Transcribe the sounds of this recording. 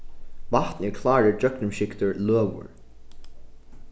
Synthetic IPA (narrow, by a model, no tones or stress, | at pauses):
vaht̪nɛɹkʰlaːɹəd͡ʒœknʊmʃɪkt̪ʊɹløːwʊ̰ɹ